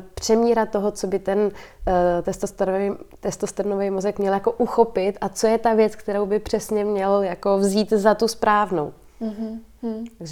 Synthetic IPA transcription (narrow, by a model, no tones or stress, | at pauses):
pr̝̥ɛmiːɾat̪o̞ɦot͡so̞bɪt̪ɛn | t̪ɛst̪ost̪ɾt̪ɛst̪ost̪ɾnovejmozɛkmɲɛljako̞ʔuxo̞pɪt̪at͡so̞jɛt̪avjɛt͡skt̪ɛɾowbɪpr̝̥ɛsɲɛmɲɛljakovziːt̪zat̪uspɾaːvno̞̰w | t̪aɡʒɛ